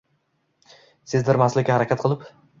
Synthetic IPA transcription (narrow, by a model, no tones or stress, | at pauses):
sɪzd̪ɪɾmaslɪkʲːahaɾakʲʰat̪̚qʰɨlˠɪp